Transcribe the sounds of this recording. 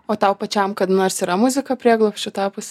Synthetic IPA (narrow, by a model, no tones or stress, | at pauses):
oːt̪ɑʊpɐt͡ʃʲɛmkɐt̪noːrsiːɾɐmʊzʲɪkɐpʲɾʲiɛɡlˠopʲsʲt͡ʃʲʊt̪ɑːpʊsʲ